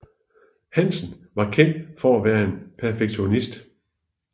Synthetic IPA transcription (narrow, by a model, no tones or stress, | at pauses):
hæn̰sn̩ | ʋɑ̈kʰen̰d̥fɒæʋæːɐe̝npʰæɐfeɡ̥ɕo̝nisd̥